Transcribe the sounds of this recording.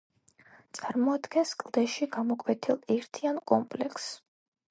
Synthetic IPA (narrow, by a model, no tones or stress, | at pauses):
t̪sʼaɾmɔad̪ɡɛnskʼlˠd̪ɛʃiɡamɔkʼwɛt̪ʰilˠɛɾt̪ʰiankʼɔmpʼlɛks